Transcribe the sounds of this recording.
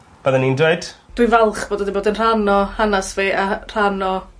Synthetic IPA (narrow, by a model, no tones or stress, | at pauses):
b̥ɛðɛnindwed̥d̥wʊjvɛlˠχb̥oːdədɪmboːdənr̥anɔhanasveːʔar̥anɔ